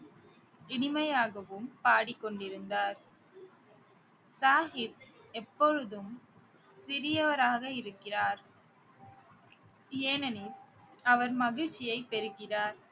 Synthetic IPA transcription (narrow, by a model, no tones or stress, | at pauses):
ɪɳɪmɐjaːɣɐʋɯmpaːɽɪkːɔɳɖɪɾɯnd̪aːɾ | saːɦɪb̚ɛpːɔɾɯðɯm | sɪɾɪjɐʋɐɾaːɣɐɪɾɯkːɪraːɾ | eːnɐnɪl | ɐʋɐɾmɐɣɪɻt͡ʃːɪjɐɪpːɛɾɯɣɪraːɾ